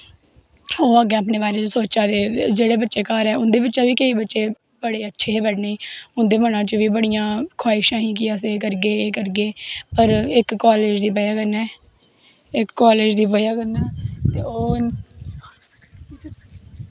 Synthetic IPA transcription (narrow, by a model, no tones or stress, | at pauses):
oːaɡeaːp̬neːbaːɾeːt͡ʃəsoːt͡ʃaːd̪eːd͡ʒeːɽeːbətːʃeːkaːɾɛːʊnd̪eːbɪtːʃaːʋiːkəiːbətːʃeː | bəɽeːətːʃʰeːeːbəɖneĩːʊnd̪eːmənãːt͡ʃəʋiːbəɽijãːkʰaːɪʃãːɦiːk̬ɪəsekəɾɡeːkəɾɡeːpəɾɪkːaːleːd͡ʒd̪iːpəjaːkəɾnɛː | ɪkːaːleːd͡ʒd̪iːpəjaːkəɾnɛːt̪eːoː